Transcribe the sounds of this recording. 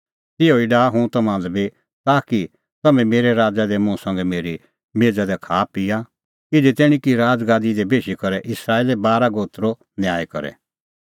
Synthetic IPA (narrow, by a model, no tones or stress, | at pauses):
t̪ɪoiɖaːɦũt̪ɐmãlbe | t̪aːki | t̪ɐmɛ̃meːɾɛɾaːd͡zad̪ɛmʊ̃sɐ̃ŋɡɛmeːɾi | meːd͡zad̪ɛkʰaːpɪja | ɪd̪ɛt̪ɛ̃ːĩkiɾaːd͡zɡãːd̪id̪ɛbeːʃikɐɾɛʔɪsɾaːeːlɛbaːɾaɡoːt̪ɾo | njaːikɐ̰ɾɛ̰